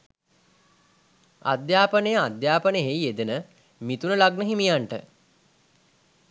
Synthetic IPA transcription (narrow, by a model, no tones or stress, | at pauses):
a̰d̪jaːpənəjəad̪jaːpənəɦejed̪ənə | mit̪unəlaɡnəɦimijaɳʈə